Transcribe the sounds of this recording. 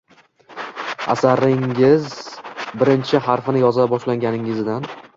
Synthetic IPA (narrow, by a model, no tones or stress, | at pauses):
a̰saɾɪŋɪzbɪɾɪnt͡ʃʰɪɦaɾfɪnɪjɒzlabɒʃlaŋɡʲanɪŋɪzd̪an